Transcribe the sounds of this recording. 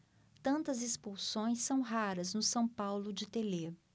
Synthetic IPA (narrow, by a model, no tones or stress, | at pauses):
t̪ɐ̃nt̪ɐzespuwsõj̃sːɐ̃w̃ɦaɾɐznʊsɐ̃w̃pawlʊd͡ʒɪt̪ele